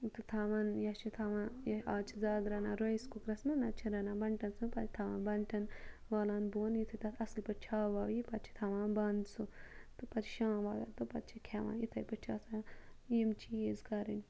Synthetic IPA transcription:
t̪ɨt̪ʰaːʋanjɐʃit̪ʰaːʋãːjɐaːt͡ʃʰizaːɡɾɐːnaːɾojiskukɾɐsmɐnɐt͡ʃʰiɾɐnãːbɐɳʈɐnspɐtʰi̥t̪ʰaːʋãːnbɐɳʈɐn | ʋaːlaːnboːnjit̪ʰɐt̪ɐɐslpɐt͡ʃʰaːʋaːʋipɐt̪̚t͡ʃʰi̥t̪ʰaʋãːnbɐnd̪sut̪ɨpɐt̪ʰʃãːʋaːla̰ːt̪upɐ̰t̪̚t͡ʃʰikʰeːʋa̰ːit̪ʰɐjpɐt͡ʃʰaːsajimt͡ʃʰiezkɐɾinʲ

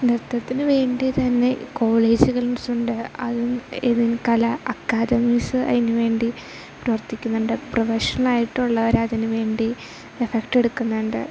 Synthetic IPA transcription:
nirt̪ːɐt̪ːinɨʋe̞ːɳɖit̪ɐnːe̞ko̞ːɭe̞ːd͡ʑuɣɐɭnusuɳɖɨɐ̰ðueðinkɐlɐɐkːaːd̪ɐmiːsɨʔɐ̰ðinɨʋe̞ːɳɖi | prɾɐʋɐrt̪ːikʲːunːuɳɖɨprɐʋɐʂɐnlaːjiʈːuɭːɐʋɐɾɐðinɨʋe̞ːɳɖi | efekʈe̞ɽukːunːɐɳɖɨ̰

